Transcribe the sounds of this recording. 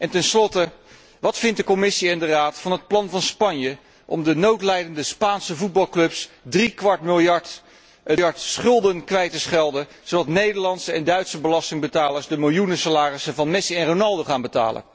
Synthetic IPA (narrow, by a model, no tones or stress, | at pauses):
ʔɛntɛnslɔtə | ʋɑtfɪntdəkomɪsiɛndəraːtfɑnɦət̚plɑnvɑnspɑnjə | ʔɔ̰mdənowtlɛjdəndəspaːnsəvud̚bɑlˠklɵpsdrikʋɑɹtmɪlˠjɑɹt | jɑɹtsχʏlˠdənkʋɛjtəsχɛlˠdə | zodɑtnejdəɹlɑntsəɛndœɥtsəbəlɑstɪŋbətaːləɹzdəmɪlˠjunəsalaːrɪsəvɑnmɛsiɛnronɑlˠdoχaːnbəta̰ːlə̰n